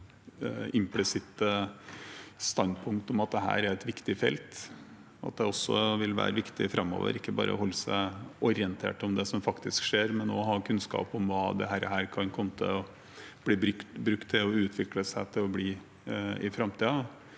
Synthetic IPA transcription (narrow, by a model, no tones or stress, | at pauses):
ɪmplɪsɪt̪ːə | st̪ɑnpʰʊŋkt̪ɔmɑt̪̚d̪ɛɦæ̰ːɾæɾɛt̪ʋɪkt̪ɪfɛ̰lt̪ | ɑ̰t̪̚d̪ɛɔsːɔʋɪlʋæ̰ːɾəʋɪkt̪ɪ̰fɾɑmːo̰ːʋə̰ɾɪkːəbɑ̰ːɾəɔhɔlːəsæɪʔɔɾɪənt̪ʰḛːʈɔmd̪ɛsɔmfɑkt̪ɪskʂeːɾmɛnɔːɦɑkʰʉnskɑ̰ːpɔmʋɑːd̪ɛ̰ɦæːɾə̰ɦæːɾkʰɑnkʰɔmːət̪ʰɪ̰lɔ | b̥liːbɾʏkt̪bɾʉkt̪ʰːɪlɔʉːt̪ʰʋɪkləsæɪt̪ʰɪlɔbliː | ɪfɾɑmt̪iːɑ